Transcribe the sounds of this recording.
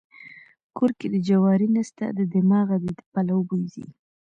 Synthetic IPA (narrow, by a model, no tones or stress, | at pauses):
koɾked̪əd͡ʒawɑɾinast̪a̰d̪əd̪ɪmɑɣad̪ed̪əpalawəbozḭ